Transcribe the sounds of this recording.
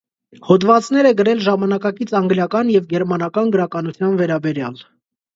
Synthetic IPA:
hɔd̪vɑt͡sn̪ɛɾɛɡəɾɛlʒɑmɑnɑkɑkit͡sʰɑŋɡljɑkɑnjɛvɡɛɾmɑnɑkɑnɡəɾɑkɑnut͡sʰjɑnvɛɾɑbɛɾjɑl

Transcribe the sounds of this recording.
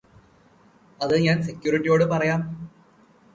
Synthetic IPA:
ɐðɨɲaːnsekʲːjuːɾiʈːijo̞ːɽɨpɐrɐjaːm

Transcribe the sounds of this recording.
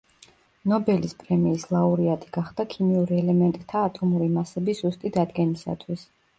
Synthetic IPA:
nɔbɛlispʼɾɛmiːslˠauɾiat̪ʼiɡ̥aχd̪̥akʰimiuɾiɛlɛmɛnt̪ʼt̪ʰaːt̪ʼʰɔmuɾimasɛbisz̥ust̪ʼid̪ad̪ɡɛnisa̰t̪ʰwis

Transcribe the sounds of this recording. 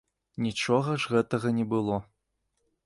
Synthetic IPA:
nʲit͡ʂɔɣɐʐɣɛt̪ɐɣɐnʲɛbɨlˠɔ

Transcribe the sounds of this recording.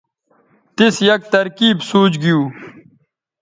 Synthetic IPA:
t̪isjɐk̚t̪ɐɾkiːbsuːt͡ɕɡijuː

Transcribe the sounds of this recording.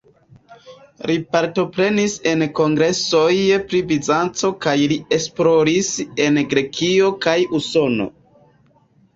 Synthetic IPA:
lipaɾto̞pɾe̞nise̞nko̞ŋɡɾe̞so̞jpɾibizant͡so̞kajlie̞splo̞ɾise̞nɡɾe̞kʰio̞kajuso̞no̞̰

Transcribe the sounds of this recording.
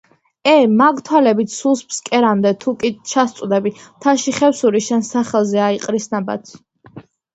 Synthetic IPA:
ɛmaɡt̪ʰwalɛbit̪ʰsulˠspskʼɛɾamd̪ɛt̪ʰukʼit͡ʃʰast̪sʼd̪ɛbit̪ʰaʃiχɛfsuɾiʃɛnsaχɛlˠzɛaiqʼɾisnaba̰t̪sʰ

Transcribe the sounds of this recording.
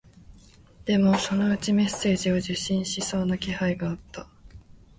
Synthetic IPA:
d̪̥e̞mo̞so̞no̞ɯ̟t͡ɕime̞se̞ːʑio̞ʑɨɕːĩɰ̃ɕiso̞ːnakʲihaiɡaːt̪ːa

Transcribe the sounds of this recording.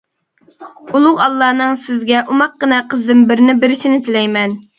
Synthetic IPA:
ulˠʊʁɑlˠːɑːnɨŋsɪzɡʲɛʔumɑq̚ːənɛqʰəzd̪ɨmbɪɾnɪbɪɾɪʃinɪt̪ʰɪlɛjmɛn

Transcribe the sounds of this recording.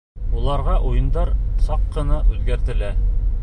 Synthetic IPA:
ulˠɑɾʁɑʔujɤ̆nd̪ɑɾsɑqːɤ̆nɑʔʉðɡæɾt̪ɘ̆læ

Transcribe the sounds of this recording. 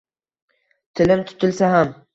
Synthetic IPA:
t̪ʰɪlɪmt̪ʰʊ̥t̪ʰɪlsaɦam

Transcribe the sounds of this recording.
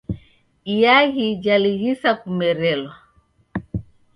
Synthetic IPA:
ijaɣid͡ʒaliɣisakumɛɾɛlwa

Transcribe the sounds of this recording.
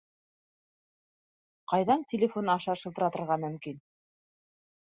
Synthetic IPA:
qɑjðɑntʲɪlʲɪfonɑʃɑʃɤ̆lˠt̪ɤ̆ɾɑt̪ɤ̆ɾʁɑmɵ̆mkin

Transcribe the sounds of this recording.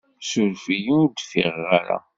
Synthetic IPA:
sʊɾfijind̪fiʁːaɾa̰

